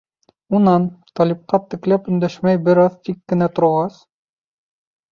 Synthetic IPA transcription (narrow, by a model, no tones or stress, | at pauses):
unɑnt̪ɑlʲip̚qɑt̪ɘ̆klæpɵ̆nd̪æʃmæjbɘɾɑðt̪ikːɘ̆næt̪ŏɾʁɑs